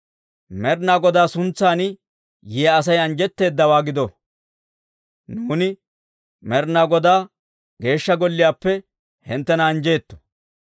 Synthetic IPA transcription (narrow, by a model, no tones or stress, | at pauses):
mɛɾnaːɡɔd̪aːsʊnt͡sːaːn | jɪjɐɐs̬ɐjɐnd͡ʒɛt̪ːe̞ːd̪ːɐwaːɡɪd̪ɔ | nuːnɪ | mɛɾnaːɡɔd̪aː | ɡe̞ːʃːɐɡɔlːɪjaːpːɛ | hɛnt̪ːɛnɐːnd͡ʒeːt̪ːɔ̥